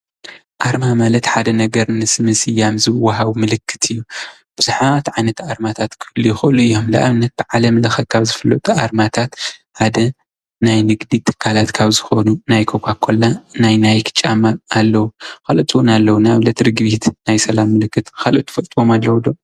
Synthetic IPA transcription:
ʔaɾmamalɐt̪ħad̪ɐnɐɡɐɾnɨsɨmɨsɨjːamzɨwːaɦaβmɨlɨkʰːɨ̥t̪ʰɨjːu | b̥ɨzuħat̪ʕajnɐt̪aɾmat̪ʰat̪kʰɨ̥ɨlːujɪxɨʔɨluɨjːo̞mlɐʔaβnːɐt̪̚b̥ɨʕalɐmlɐxɐt̪̚kʰaβzɨfɐlːo̰t̪ʼuʔaɾmat̪ʰat̪ħad̪ɐ | najnɨɡd̪it̪ʼɨ̥kʰːalat̪kʰaβzɨxo̞nunajkʰokʷʰakʰo̞lːanajnajkʰɨ̥t͡ʃʼamaːlːɐwukʰalot͡ʃ̪ʼɨwunalːɐwunaβlɐt̪ʰɾɨɡβit̪najsɐlamːɨlɨkːɨt̪kalot̪ʰʼːɨ̥fɐlt̪ʼwomalːɐwd̪o̞m

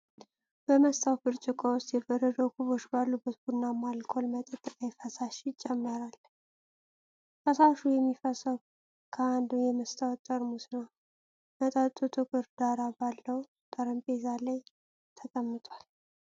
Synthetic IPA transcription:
b̥əməst̪ʰawbɨɾt͡ʃʼɨkʼawʊst̪jɛbəɾəd̪əkuβo̞t͡ʃbalːubːət̪bunːamalkʰo̞lmət̪ʼət̪ʼːɨkʼajfəsaʃɪt͡ʃʼːɛmːəɾal | fəsaʃujɛmːifəsəw | kʰəand̪ɨmjɛməst̪ʰawt̪ʼːəɾmusnəw | mət̪ʼat̪ʼut̪ʰʼɨkʼɨɾd̪aɾabalːəw | t̪ʼəɾəmpʼezalaj | t̪ʰəkʼəmːɨt̪ʼwal

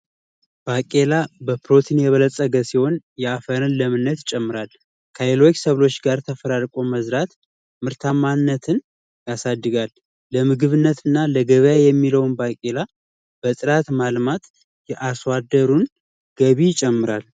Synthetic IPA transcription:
b̥akʼe̞labəpʰɾo̞t̪ʰinjɛβələsʼəɡəsiho̞njɛafəɾɨnləmɨnːət̪jɪt͡ʃʼːɛmːɨɾal | kʰəjelo̞t͡ʃsəβlo̞t͡ʃːɡaɾt̪ʰəfəɾaɾkʼo̞məzɾat̪ | mɨɾt̪ʰamanːət̪ʰɨn | jasad̪ːɨɡalː | əmɨɡɨβɨnːət̪ʰɨnːaləɡəβəjajɛmːiləwnbakʼe̞la | b̥ət̪ʼɨɾat̪malmat̪ | jɛʔaswad̪əɾun | ɡ̥əβiɪt͡ʃʼɛmːɨɾal

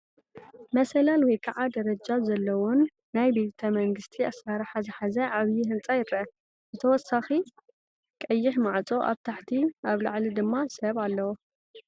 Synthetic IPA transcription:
mɐsɐlalwɔjkʰaʕad̪ɐɾɐd͡ʒazɐlːɐwonː | ajbet̪ʰɐmɐŋɡɨst̪ʰiasaɾħazɨħazɐʕaβjiɦɨnt͡sʼajɪɾɐʔɐ | zɨt̪ʰɐwɔsːaxi | kʼɐjːɪħmaʕt͡sʼo̞ʔa̰βt̪ʰaħt̪ʰiʔaβlaʕlid̪ɨmːasɐβalːɐwo

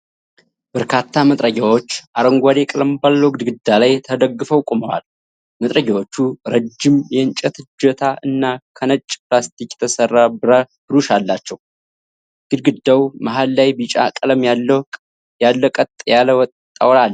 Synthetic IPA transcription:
b̥əɾkʰat̪ʰːamət̪ʼɾəɡawo̞t͡ʃːʔaɾəŋɡʷad̪ekʼləmbalːəwɡɨd̪ɡɨd̪ːalajt̪ʰəd̪əɡːɨfəwkʼuməwa̰l | mət̪ʼɾəɡawo̞t͡ʃːuɾəd͡ʒːɪmjɛɨnt͡ʃʼɛt̪ʰɨd͡ʒət̪ʰaʔɨnːakʰənət͡ʃʼːplast̪ʰikʼt̪ʰəsərːabɨɾa | b̥ɨɾuʃalːat͡ʃːɛw | ɡ̥ɨd̪̚ɡɨd̪ːawmaɦalːajbit͡ʃʼa̰kʼələm | jalːəkʼət̪ʼjaləw̪ʼ | a̰wɾalː

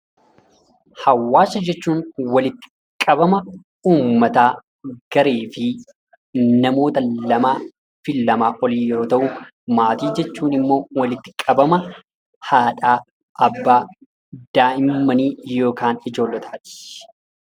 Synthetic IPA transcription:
hɐwːaːsːɐd͡ʒɛt͡ʃːuːnwɐlɪt̪ːɪ̥ | kʼɐbɐmɐ | uːmːɐt̪aː | ɡ̥ɐɾeːfɪ | nɐmo̞ːt̪ɐlɐmaː | fɪlːɐmaːʔɔliːjɔɾoːt̪ɐʔʊ | maːt̪iːd͡ʒɛt͡ʃːuːnɪmːo̞ːwɐlɪt̪ːɪ̥kʼɐbɐmɐ | haːᶑaː | ɐbːaː | d̪̥aːʔɪmːɐniːjo̞ːkaːnɪd͡ʒo̞ːlːɛt̪ʰḁːt̪ɪ̥

